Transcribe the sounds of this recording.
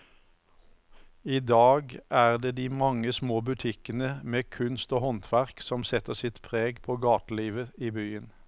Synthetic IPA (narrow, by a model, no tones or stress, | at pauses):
iːd̪ɑːɡæːʁd̪eːd̪iːmɑŋːəsmoːbʉt̪ʰɪkənəmeːkʰʉnst̪oːhɔnt̪ʰʋæʁksɔmsɛt̪əʁsɪt̪pʰʁeːɡpʰoːɡɑːt̪liːʋəiːbyːən